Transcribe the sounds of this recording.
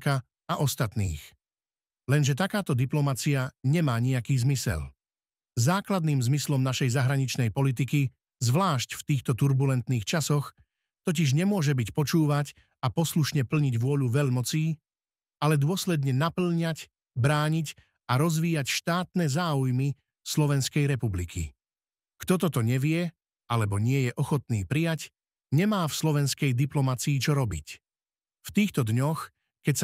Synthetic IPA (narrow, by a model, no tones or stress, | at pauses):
ka | aʔɔst̪at̪nḭːx | lɛnʒɛt̪akaːt̪ɔd̪iplɔmat͡siaɲɛmaːɲiakiːzmisɛ̰l | zaːklad̪niːmzmislɔmnaʃɛjzaɦɾaɲit͡ʃnɛjpɔlit̪̬iki | zʋlaːʃcft̪iːxt̪ɔt̪uɾbulɛnt̪niːxt͡ʃasɔx | t̪ɔc̬iʒɲɛmʊɔʒɛbicpɔt͡ʃuːʋac | apɔsluʃɲɛpl̩ɲiɟʋʊɔʎuʋɛʎmɔt͡siː | alɛd̪ʊɔslɛd̪ɲɛnapl̩ɲac | bɾaːɲic | aɾɔzʋiːjacʃt̪aːt̪nɛzaːujmi | slɔʋɛnskɛjɾɛpublikʰḭ | kt̪ɔt̪ɔt̪ɔɲɛʋɪɛ | alɛbɔɲɪɛjɛʔɔxɔt̪niːpɾijac | ɲɛmaːfslɔʋɛnskɛjd̪iplɔmat͡siːt͡ʃɔɾɔbḭc | ft̪iːxt̪ɔd̪ɲɔx | kɛcs